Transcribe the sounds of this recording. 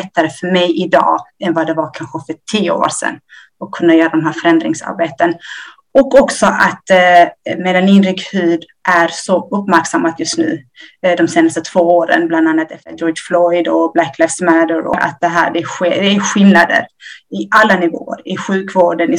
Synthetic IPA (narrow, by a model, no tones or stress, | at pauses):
ɛt̪ːaɾəfœɾmɛjʔɪd̪ɑ̰ːɛnvad̪ɛvaɾkʰanɧəfœʈʰiːəo̰o̰ɾʂɛ̰nː | ɔkʰːɵnːajœːɾad̪ɔmɦæːɾfœɾɛnd̪ɾɪŋsa̰ɾbeːt̪ən | ɔkːɔksɔʔat̪ | meːd̪anɪnɾɪɡhʉ̟ːd̪ | ʔæɾsɔɵpːmæɾksamːat̪jɵst̪nʉ̟̰ːd̪ɔmseːnast̪ət̪ʰv̥oːoːɾə̰nbland̪anːat̪ɛft̪əd͡ʒɔɾflɔjd̪ɔblækʰːlajfsmæd̪əɾɔ̰ɾʔa̰t̪̚d̪ɛɦæ̰ːɖɛɧed̪ɛæɧɪlnad̪ə̰ɾɪʔalːanɪvo̰ːə̰ɾɪɧʉ̟ːkvoːɖənɪ